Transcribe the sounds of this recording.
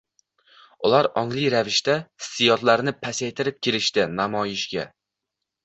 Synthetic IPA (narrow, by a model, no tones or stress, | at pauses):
ʊlˠaɾɒŋlˠɪjɾavɪʃt̪ḁsɪjɒt̪laɾnɪpʰasajt̪ʰɪɾɪp̚kʲʰelɪʃt̪ɪnamɒjɪʃɡʲa